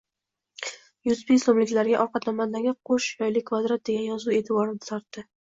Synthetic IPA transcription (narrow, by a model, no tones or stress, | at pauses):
jʊsbislomlɪkʲlaɾɡʲaʔɒɾqʰɑt̪namazlaɡʲaqʰoʃjɒjlɪkʰːvad̪ɾat̪̚d̪e̞ɡʲanjɒzue̞t̪ʰɪbɒɾɪd̪ɪt̪ʰɒɾt̪ːɪ